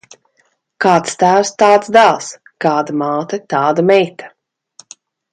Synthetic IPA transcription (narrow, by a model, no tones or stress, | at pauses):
kɑːt̪st̪æːwst̪aːt̪sd̪ælˠs | kaːd̪amaːt̪at̪ɑːd̪amɛjt̪ʰḁ